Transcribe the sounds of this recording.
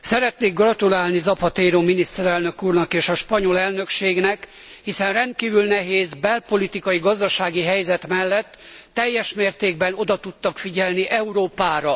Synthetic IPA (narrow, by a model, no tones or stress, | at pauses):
sɛɾɛt̪neːɡrɒt̪ulaːlnizɒpɒt̪eːɾoːminist̪ɛɾɛlnø̞kuːrnɒkeːʃɒʃpɒɲo̞lɛlnø̞kʃeːɡnɛk | hisɛnrɛnt̪̚kiːvylnɛɦeːzbɛlpo̞lit̪ikɒjiɡɒzd̪ɒʃaːɡiɦɛjzɛt̪mɛlːɛt̪ː | ɛjːɛʃmeːrt̪eːɡ̚bɛno̞d̪ɒt̪ut̪ːɒkfiɟɛlniʔɛuɾoːpaːɾɒ